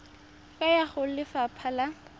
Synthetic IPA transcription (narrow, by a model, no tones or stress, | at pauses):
kʼajaχʊlɪfapʰala